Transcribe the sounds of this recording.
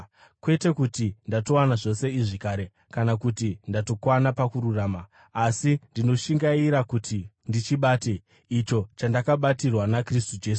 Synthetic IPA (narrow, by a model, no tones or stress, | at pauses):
kwe̞te̞kutindato̞wanaʐo̞se̞iʐikaːɾe̞ | kanakutindato̞kwanapakuɾuraːmaː | sindino̞ʃiŋɡaiɾakutʰi | ndit͡ʃiɓaːte | it͡ʃo̞t͡ʃandakaɓatirwanakristud͡ʒe̞ːsu